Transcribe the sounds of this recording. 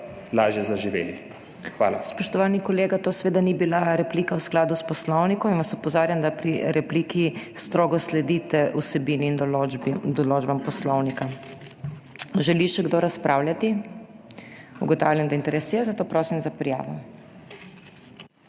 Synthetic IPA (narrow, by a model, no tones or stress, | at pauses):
laːʒjɛzaʒiʋḛːli | xʋa̰ːlaspɔʃt̪ɔʋanikɔleːɡat̪oːsʋeːd̪anibilaɾɛpliːkawsklaːd̪uspɔslɔwnikɔminʋasɔpɔzaːɾjand̪apɾiɾɛpliːkist̪ɾoːɡɔslɛd̪it̪ɛusɛbiːniːn | d̪ɔloːd͡ʒbampɔslɔwnika | ʒɛliʃɛɡd̪oːɾaspɾawljʲat̪i | ṵɡɔt̪aːwlʲjand̪aint̪ɛɾɛsjɛzat̪oːpɾoːsimzapɾija̰ːʋɔ